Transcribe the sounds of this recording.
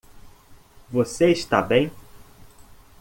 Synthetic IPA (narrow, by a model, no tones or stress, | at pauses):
voseiʃt̪abẽj̃